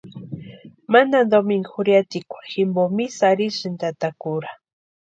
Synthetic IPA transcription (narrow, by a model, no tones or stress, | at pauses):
manand̪omiŋxʊɾjat̪ikʷaxɪmbomisaɾiʃɪnt̪at̪akʊɾa